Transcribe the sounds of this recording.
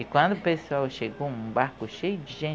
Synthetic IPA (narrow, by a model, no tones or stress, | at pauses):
ikwɐ̃nd̪ʊpesuawʃeɡoũbaɾkʊʃejʊd͡ʒ̪ɪʒẽ